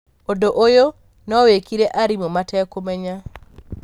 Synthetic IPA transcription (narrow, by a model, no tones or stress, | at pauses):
odoʔojo | nɔwekiɾeʔaɾimomatʰɛkomɛɲa